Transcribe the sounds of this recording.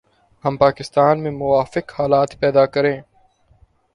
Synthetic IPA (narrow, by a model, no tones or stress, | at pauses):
hɐmpaːkɪst̪aːnmẽmʊʋaːfɪkhaːlaːt̪pɛːd̪akɐɾẽː